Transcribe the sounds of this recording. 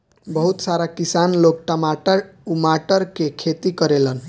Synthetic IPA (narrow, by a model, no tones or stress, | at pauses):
bəɦut̪saɾakisanlok̚ʈəmaʈəɾumaʈəɾkekʰet̪ikəɾelən